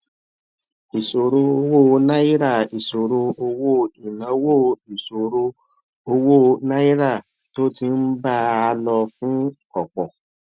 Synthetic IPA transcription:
i˨so˨ɾo˧o˧wo˦˨nã˦i˦ɾa˦˨i˨so˨ɾo˧o˧wo˦˨i˨nã˨˦wo˦˨i˨so˨ɾo˧ | o˧wo˦˨nã˦i˦ɾa˦˨ | to˦ti˧n̩˦ba˦a˧lɔ˧fũ˦ | ɔ˦˨k͡pɔ˨

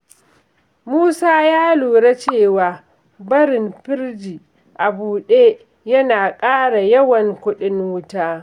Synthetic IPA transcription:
muː˦saː˦jaː˦luː˨ɽa˦t͡ʃeː˦˨waː˨ | bɐ˦ɾɪ˨mɸɪ˦ɾd͡ʒiː˨ | ʔa˨buː˨ɗeː˦ | jɐ˦naː˨kʼaː˦ɽa˨jɐ˦wɐ˨ŋkʷʊ˦ɗɪ˦nwʊ˦taː˦

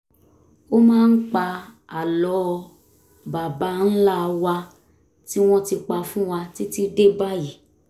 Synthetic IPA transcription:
o˦mãː˦n̩˦k͡pa˧ | a˨lɔ˨˦˧ | ba˨ba˨˦n̩˦la˦˧wa˧ | ti˦w̃ɔ̃˦ti˧k͡pa˧fũ˦wa˧ti˦ti˦de˦ba˦ji˨

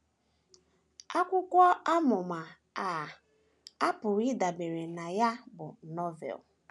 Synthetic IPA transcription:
a˦kʷʊ˦kʷɔ˦a˦mʊ˨ma˨ | a˨ | a˦pʊ˨ɾi˦da˨be˨ɾe˨na˨ja˦bʊ˨nɔ˦vḛ˨l

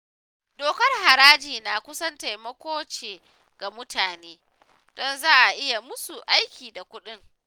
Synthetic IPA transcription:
doː˨kɐ˦rha˨ɾaː˦d͡ʒiː˨naː˨kʷʊ˦sɐ˦nta˨jmɐ˦kʷoː˦t͡ʃeː˨ | ɡ̥a˨mʊ˦tʰaː˨neː˦ | d̥ɔ˦nzaː˦ʔa˨ʔɪ˦ja˨mʊ˦su˨ʔa˦jkʲiː˨da˨kʷʊ˦ɗɪ˦ŋ

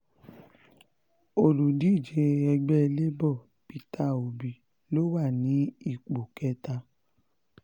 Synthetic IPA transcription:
o˨lu˨di˨˦˨d͡ʒe˧ɛ˧ɡ͡bɛ˦˧le˦bɔ˦˨ | pi˧ta˦˨o˨bi˨ | lo˦wa˦˨nĩ˨˦i˦˨k͡po˨kɛ˨˦ta˧

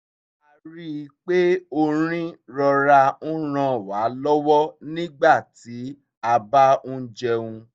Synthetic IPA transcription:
a˧ɾi˦˧k͡pe˦o˧ɾ̃ĩ˦ɾɔ˧ɾa˧ũ˦ɾ̃ã˧wa˨˦lɔ˦wɔ˦nĩ˦ɡ͡ba˦˨ti˨˦ | a˧ba˦ũ˦d͡ʒɛ˧ũ˧

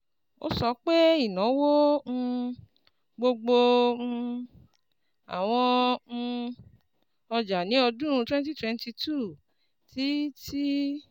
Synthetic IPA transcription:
o̰˦sɔ˧k͡pe˦i˦˨nɔ̃˨˦wõ˦˧ | ɡ͡bo˧ɡ͡bo˧ | a̰˨w̃ɔ̃˧ | ɔ˧d͡ʒa˨nĩ˨˦ɔ˧dũ˦ɾ̃ũ˧twɛ̃˦n˦t̬i˦twɛ̃˧n˦ti˧tu˦˨ | ti˨˦ti˦

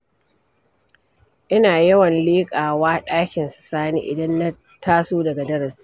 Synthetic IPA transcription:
ʔɪ˦naː˨jɐ˦wɐ˨nleː˦kʼaː˨waː˦ɗaː˦kʲɪ˨nsʊ̥˨saː˦nḭː˨ʔɪ̰˨dɐ˦nːɐ˦ | tʰaː˦soː˦dɐ˨ɡa˨dɐ˦ɾɐ˨s

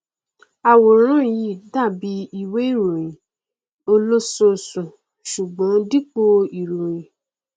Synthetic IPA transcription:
a˨wo˨˦ɾ̃ã˦˨ji˧˨da˦˨bi˨˦i˧we˦i˦˨ɾũ˨ĩ˨ | o˧lo˦so˧˨sũ˨ | ʃu˨ɡ͡bɔ̃˨˦di˦k͡po˧i˨ɾũ˨jĩ˨

